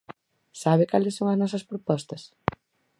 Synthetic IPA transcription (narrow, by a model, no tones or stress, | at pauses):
saβɪkalɪsːoŋɐznɔs̬ɐspɾopɔst̪ɐs